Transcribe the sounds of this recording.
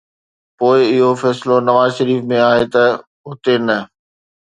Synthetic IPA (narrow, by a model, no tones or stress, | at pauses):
poːɪɪɦofɛːsɪlonɐʋaːzʃəɾiːfmẽaːɦet̪ɐ | ɦʊt̪enɐ